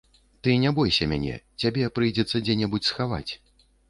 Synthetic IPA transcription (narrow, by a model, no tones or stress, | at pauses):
t̪ɨnʲɛbɔjsʲɐmʲa̰nʲɛ̰t͡sʲabʲɛpɾɨjd͡zʲɛt̪sːɐd͡zʲɛnʲɛbut͡sʲsxava̰t͡sʲ